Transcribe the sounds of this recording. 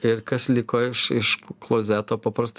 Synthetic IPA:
ɪɾkɐslʲɪkoːɪʃɪʃklˠoːzʲæːt̪oːpɐpɾɐst̪

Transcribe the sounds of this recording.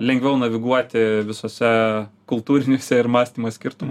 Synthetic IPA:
lʲɛŋʲɡʋʲɛʊnɐʋʲɪɡuɔt̪ʲɪʋʲɪsoːsʲɛkʊlˠt̪uːɾʲɪnʲuːsʲɛɪɾmɑːsʲt̪ʲiːmoːsʲkʲɪɾt̪ʊm

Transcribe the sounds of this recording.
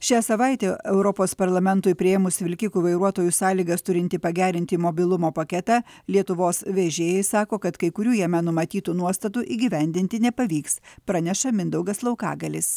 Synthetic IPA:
ʃʲæːsɐʋɐɪt̪ʲeːʔɛʊɾɔpoːspɐɾlˠɐmʲɛnt̪ʊɪpʲɾʲɪjɛːmʊsʋʲɪlʲkʲɪkuːʋɐɪɾuɔt̪oːjusɑːlʲiːɡɐst̪ʊɾʲɪnʲt̪ʲɪpɐɡʲæːɾʲɪnʲt̪ʲɪmobʲɪlˠʊmoːpɐkʲɛt̪ɑ | lʲiɛt̪ʊʋoːsʋʲeːʒʲeːjɛɪsɑːkoːkɐt̪kɐɪkʊɾʲuːjɛmʲɛnʊmɐt̪ʲiːt̪uːnuɔst̪ɐt̪uʔiːɡʲɪʋʲɛnʲd̪ʲɪnʲt̪ʲɪnʲɛpɐʋʲiːkspɾɑnʲɛʃɐmʲɪnd̪ɐʊɡɐslˠɒʊkɑ̰ːɡɐlʲɪs

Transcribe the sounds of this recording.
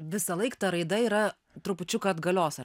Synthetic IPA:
ʋʲɪsɐlˠɐɪkt̪ɐɾɐɪd̪ɐiːɾɐ | t̪ɾʊpʊt͡ʃʲʊkɐɐd̪ɡɐlʲoːsɐ

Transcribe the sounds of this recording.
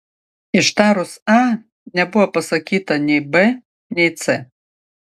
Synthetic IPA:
iʃt̪aɾʊsa | nʲɛbuwɐpɐsɐkʲit̪ɐnʲɛjbɛ | nʲɛjt̪sɛ

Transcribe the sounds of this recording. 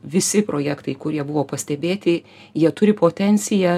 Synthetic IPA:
ʋʲɪsʲɪpɾoːjækt̪ɐɪkʊɾʲiɛbʊʋoːpɐsʲt̪ʲɛbʲeːt̪ʲɪ | jiɛt̪ʊɾʲɪpoːt̪ʲɛnʲsʲɪjæ

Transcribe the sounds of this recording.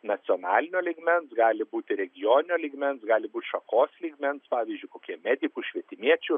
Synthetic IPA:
nɐt͡s̪ʲɪoːnɑːlʲɪnʲoːlʲiːɡmʲɛnsɡɑːlʲɪbuːt̪ʲɪɾʲɛɡʲɪjoːnʲɪnʲoːlʲiːɡmʲɛnsɡɑːlʲɪbuːt̪ʲʃɐkoːslʲiːɡmʲɛnspɑːʋʲiːzʲd͡ʒʲʊɪkoːkʲiɛmʲæːd̪ʲɪkuʃʲʋʲiɛt̪ʲɪmʲiɛt͡ʃʲʊ

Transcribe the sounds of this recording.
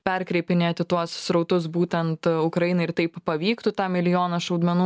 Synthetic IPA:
pʲɛɾʲkɾʲɛɪpʲɪnʲeːɐt̪ʲɪt̪uɔssɾɐʊt̪ʊs̬buːt̪ʲɛnt̪ʊkɾɐjɪnɐɪɪɾt̪ɐɪppɐʋʲiːkt̪ʊt̪ɑːmʲɪlʲɪjoːnɐʃɐʊd̪mʲɛnuː

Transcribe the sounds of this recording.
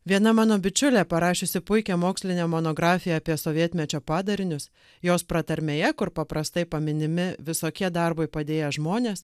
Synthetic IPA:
ʋʲiɛnɐmɑːnoːbʲɪt͡ʃʲʊlʲɛːpɐɾɑːʃʲeːsʲɪpʊɪkʲɛmoːksʲlʲɪnʲɛːmoːnoːɡɾɑːfʲɪjɛɐpʲiɛsoːʋʲiɛt̪ʲmʲɛt͡ʃʲoːpɑːd̪ɐɾʲɪnʲʊs | joːspɾɐt̪ɐɾʲmʲeːjɛkʊɾpɐpɾɐst̪ɐɪpɐmʲɪnʲɪmʲɪʋʲɪsoːkʲiɛd̪ɐɾboɪpɐd̪ʲeːjɛʒmoːnʲeːs

